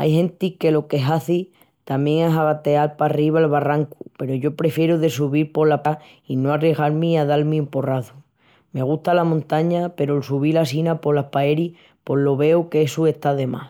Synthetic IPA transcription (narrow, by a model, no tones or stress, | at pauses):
a̰jɦẽ̞nt̪ike̞lo̞keɦaθi | t̪amje̞ŋe̞saɣat̪e̞alpariβ̞aelβaraŋkupe̞ɾoʝo̞pɾe̞fje̞ɾuðe̞s̬uβiɾpo̞lapa | ino̞areɣaɾmiaðalmiemporaθu | me̞ɣ̞ut̪alamõnt̪aɲape̞ɾoelsuβ̞ilasinapo̞lahpaeɾi | po̞ɦlo̞βe̞ukesue̞ht̪aðe̞ma̰s